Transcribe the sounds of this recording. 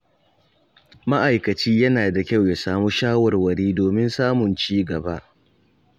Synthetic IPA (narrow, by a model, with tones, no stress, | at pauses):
ma˦ʔa˨jkɐ˨t͡ʃiː˦jɐ˦naː˨da˨kʲa˦wja˨saː˦muː˦ʃaː˦wɐ˨rwɐ˨ɽiː˦doː˨mɪ˦nsaː˦mʊ˨nt͡ʃiː˦ɡɐ˨ba̰˦ʔ